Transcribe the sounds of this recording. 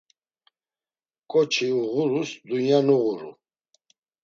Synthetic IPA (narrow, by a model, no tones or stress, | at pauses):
kʼɔt͡ʃʰiuʁuɾusd̪ujanuʁuɾṵ